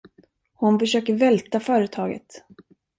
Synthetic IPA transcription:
hʊnfœʂøːkəɾvɛlt̪afœːɾət̪ʰɑːɡə̰t̪

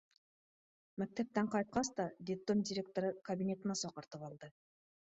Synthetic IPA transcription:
mæk̚t̪æp̚t̪æɴqʰɑjt̪̚qɑsd̪ɑd̪ʲɪplˠomd̪ʲɪɾʲe̞k̚t̪oɾɯkɐbʲinʲe̞t̪ənɑsoqɑɾt̪ɯpɑlˠd̪ɤ

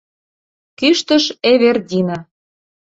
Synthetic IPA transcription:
kyʃt̪ə̆ʃeβerd̪ʲinɑ

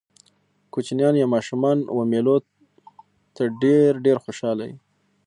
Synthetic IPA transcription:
kot͡ʃnjɑnjamɑʃumɑnwamelo | t̪aɖeɾɖeɾxoʃɑla̰jḭ

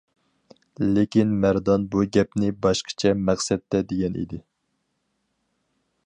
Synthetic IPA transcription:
lekʲinmæɾd̪ɑnbuɡʲɛpnɪbɑʃqʰə̥t͡ʃʰɛmæχsɛt̪ːɛd̪eɡʲɛnḭd̪ɪ

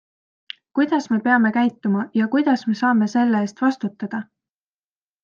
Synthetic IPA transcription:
kujd̪̥ɑsme̞pe̞ɑme̞kæjt̪ːˑumɑjɑkujd̪̥ɑsme̞sɑːme̞se̞lːeeːst̪vɑst̪ut̪ːˑɑd̪̥ɑ

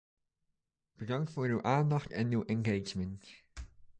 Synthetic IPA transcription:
b̥ədɑŋktfʊːɹywʔaːndɑχtɛnywʔɛnɡejd͡ʒmənt

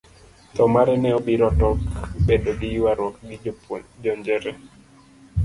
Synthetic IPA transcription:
t̪ɔmaɾɛnɛobiɾɔtɔkbedodiwaɾwɔkɡid͡ʒɔɲd͡ʒɛɾɛ

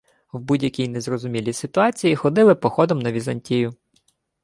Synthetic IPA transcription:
wbudʲjɐkʲijnezɾɔzʊmʲilʲisɪt̪ʊɑt͡sʲijixɔd̪ɪlˠɪpɔxɔd̪ɔmnɐʋʲizɐnʲtʲijʊ

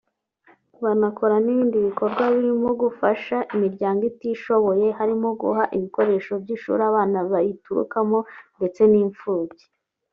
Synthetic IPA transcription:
βanakʰo̞ɾaniβiːndiβiko̞ɾɡwaβiɾimoɡufaʃaʔimiɾɟaːŋɡitiʃo̞βo̞je̞ɦaɾimoɡṵɦaʔiβiko̞ɾe̞ːʃo̞bɟiʃṵːɾaβaːnaβajituɾṵkamo̞nde̞t͡se̞niːɱfuːbɟi̥

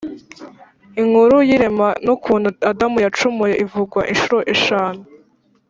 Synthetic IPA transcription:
iŋuɾujiɾemanukʰuːn̤uadamujat͡ʃumujeʔivuɡwaʔinʃuɾo̞ʔeʃaːnu

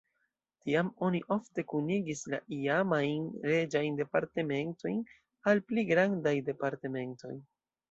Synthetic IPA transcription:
tiamo̞niʔo̞fte̞kuniɡisla̰ʔiamajnɾe̞d͡ʒajnde̞paɾte̞me̞nto̞jn | alpliɡɾandajde̞paɾte̞me̞nto̞̰j

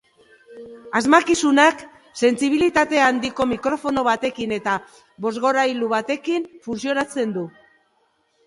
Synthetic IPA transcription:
azmakisunak | se̞nsiβ̞ilit̪at̪e̞and̪iko̞mikɾo̞fo̞no̞β̞at̪e̞kine̞t̪a | βo̞zɣo̞ɾajluβat̪e̞kinfunsio̞nat͡se̞nd̪u

